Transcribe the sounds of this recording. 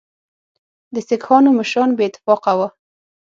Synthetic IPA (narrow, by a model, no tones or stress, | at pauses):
d̪əsɪkxɑnoməʃɾɑnbeɪt̪ːɪ̥fɑqawa